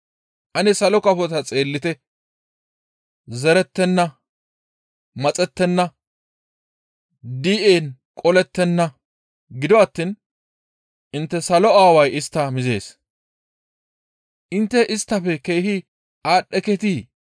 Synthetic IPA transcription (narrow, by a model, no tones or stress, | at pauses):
ʔɐnɛsɐlɔkɐfɔt̪ɐt͡sʼe̞ːlːɪt̪ɛ | zɛɾɛt̪ːɛnːɐ | mɐt͡sʼɛt̪ːɛnːɐ | d̪iːʔeːn | kʼɔlɛt̪ːɛnːɐ | ɡɪd̪ɔɐt̪ːiːn | ʔɪnt̪ːɛsɐlɔaːwɐjɪst̪ːɐmɪze̞ːs | ʔɪnt̪ːɛʔɪst̪ːɐfɛke̞jhɪ | aːɗːɛkɛt̪iː